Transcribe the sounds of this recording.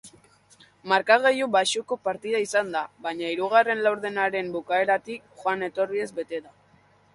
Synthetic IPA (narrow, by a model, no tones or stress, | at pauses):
maɾkaɣ̞ejuβaʃuko̞paɾt̪iðaisand̪aβaɲaiɾuɣare̞nlawɾðe̞naɾe̞mbukae̞ɾat̪ikxoane̞t̪o̞rie̞zbe̞t̪e̞ða